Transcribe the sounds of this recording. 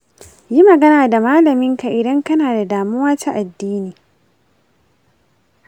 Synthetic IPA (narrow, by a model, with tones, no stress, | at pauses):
ji˦mɐ˨ɡɐ˦naː˨da˨maː˦lɐ˨mɪ˦ŋka˨ʔɪ˨dɐ˦ŋkɐ˦naː˨da˨daː˨mʊ˦waː˦ta˦ʔa˨dːiː˦niː˨